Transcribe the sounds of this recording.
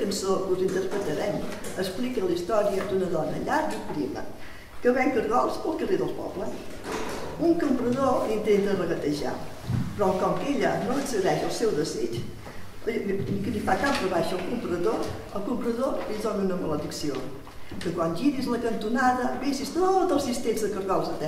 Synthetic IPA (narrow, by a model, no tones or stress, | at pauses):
kənsokuzint̪əɾpɾət̪əɾɛməsplikəlist̪ɔɾiəd̪unəðɔnə̰ʎaɾzutɾḭmə̰ | kəβɛŋkəɾɣɔlˠsəlˠkəreðəlˠpɔ̰βləs | uŋkəmpɾəðolint̪ent̪ərəɣət̪əʒa̰ | pɾɔkɔmkeʎənoəksəðɛʃəlˠsɛwðəzit͡ʃ | əikəlifakampəβaʃəəlˠkumpɾəðo | əlˠkumpɾəðolizoɣunəmələðiksio | kəkwanʒiðizləkənt̪unaðəbesist̪od̪əlˠsist̪enzðəkəɾɣɔlˠzət̪ɛ